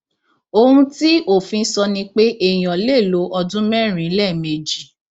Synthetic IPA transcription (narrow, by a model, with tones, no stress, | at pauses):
o˧hũ˧˦ti˦ʔo˦˨fĩ˧˦sɔ˧nĩ˧k͡pe˦ʔe˦˨j̃ɔ̃˨le˦˨lo˨˦ʔɔ˧dũ˦mɛ̃˦˨ɾ̃ĩ˨˦lɛ˦˨me˨d͡ʒi˨